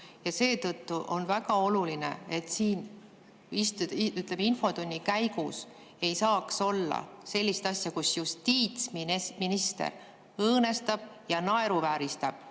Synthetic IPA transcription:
jɑse̞ːt̪ɤt̪ːuʔo̞nvæɡɑo̞lulinḛe̞t̪siːn | ist̪uyt̪leminfo̞t̪onʲːikæjɡ̥us | e̞jsɑːkso̞lːɑ̰se̞lʲːist̪ɑsʲjɑkusjust̪iːt̪smminist̪ḛr | ɤːne̞st̪ɑb̥jɑnɑe̞ɾuvæːɾist̪ɑb̥̚

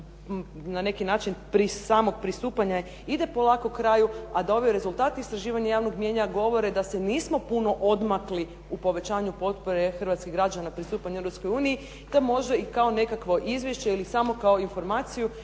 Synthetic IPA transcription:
nane̞kinaːt͡ʃinpɾisaːmo̞ɡ̚pɾist̪uːpaɲa | id̪e̞po̞lˠako̞kɾaːjuad̪o̞ʋijoɾe̞zulˠt̪aːt̪iːst̪ɾaʒiːʋaɲejaːʋno̞ɡmje̞ɲaɡo̞ʋo̞ɾe̞d̪ase̞niːsmo̞puno̞ʔo̞d̪makli | upo̞ʋe̞t͡ɕaːɲupo̞t̪poɾe̞xrʋat̪skiɡɾad͡ʒanapɾist̪uːpaɲeɾopsko̞juːnii | d̪̥amo̞ʒd̪aikaone̞kakʋo̞ʔizʋjeʃt͡ɕeilisamo̞kaoinfo̞ɾmaːt̪siju

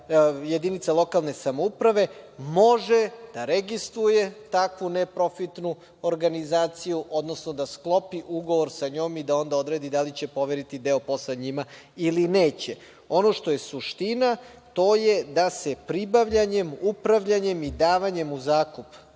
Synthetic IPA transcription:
je̞d̪init̪salˠo̞kalˠne̞samoupɾaʋe̞mo̞ʒed̪̥aɾeɡist̪ɾuje̞t̪akʋunepɾo̞fit̪nu | oɾɡanizaːt̪sijuʔo̞d̪nosnod̪asklˠo̞piʔuɡo̞ʋo̞ɾsaɲo̞ːmid̪ao̞nd̪ao̞d̪ɾed̪id̪alit͡ɕe̞po̞ʋeɾit̪id̪eo̞po̞sleɲima | ilineːt͡ɕe | o̞no̞ʃt̪o̞je̞suʃt̪ina | t̪o̞jed̪ase̞pɾibaʋʎaɲe̞mupɾaʋʎaɲe̞mid̪aːʋaɲe̞muzaːkup

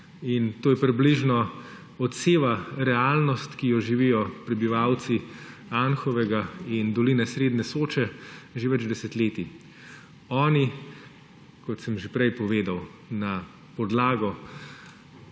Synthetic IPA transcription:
int̪oːjɛpɾibliʒnɔ | ɔt̪seːʋaɾɛaːlnɔst̪kijɔʒiʋijɔpɾɛbiʋawt̪si | anxɔʋɛɡaind̪ɔlinɛsɾeːd̪nɛsoːt͡ʃɛʒeʋɛd͡ʒd̪ɛsɛt̪leːt̪i | ɔːni | kɔt̪səmʒepɾɛjpɔʋeːd̪aw | na | pɔd̪laːɡɔ

